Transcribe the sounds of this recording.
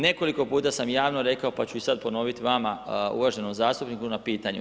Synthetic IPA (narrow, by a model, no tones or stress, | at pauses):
ne̞ko̞liko̞puːt̪asamjaːʋnoɾe̞kao̞pat͡ɕuisad̪̚po̞no̞ʋit̪iʋamaṵʋaʒe̞nomzaːst̪upnikunapiːt̪aɲu